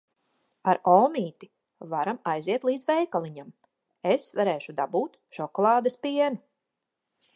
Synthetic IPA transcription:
aɾɔːmiːt̪i | vaɾamajziɛt̪lˠiːd̪zvɛjkalˠiɲam | esvaɾeːʃud̪abuːt̪ | ʃɔkɔlˠɑːd̪ɐspiɛnu

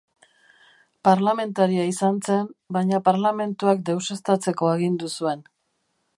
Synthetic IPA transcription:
paɾlame̞nt̪aɾiaisant͡se̞mbajɲapaɾlame̞nt̪uak̚d̪e̞wse̞st̪at͡se̞ko̞eɣind̪usue̞n

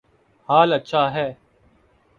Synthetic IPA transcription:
haːlətːʃʰaːɦɛː

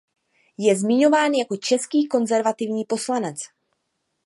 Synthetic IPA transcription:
jɛzmɪɲo̞vaːnjako̞t͡ʃɛskiːko̞nzɛɾvat̪ɪvɲiːpo̞slanɛt͡s

